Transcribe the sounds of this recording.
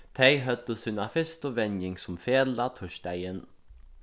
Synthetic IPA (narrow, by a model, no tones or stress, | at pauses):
t̪ʰɛjɦœt̪ːəsuːnafɪst̪ɔʋɛnjɪŋsʊmfeːlat̪ʰʊʃd̪æjɪn